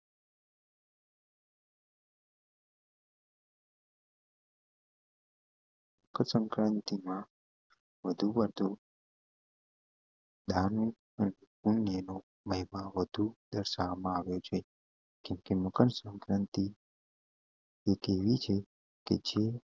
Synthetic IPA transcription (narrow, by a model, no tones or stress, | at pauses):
məkʰəsə̃ŋkɾənt̪imã | ʋəd̪ʱuʋəɾd̪ʱo | d̪anu | əne | unːjəno | məɦimãʋəd̪ʱud̪əɾʃaʋamãaʋjot͡ʃʰe | kɛ̃mkeməkənsə̃ŋkɾə̃nt̪i | ekeʋit͡ʃʰe | ked͡ʒe